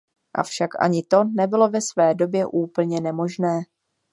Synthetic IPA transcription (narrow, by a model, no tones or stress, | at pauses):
ʔa̰fʃakʔa̰ɲɪt̪o̞nɛbɪlo̞vɛsvɛːdo̞bjɛʔuːpl̩ɲɛnɛmo̞ʒnɛː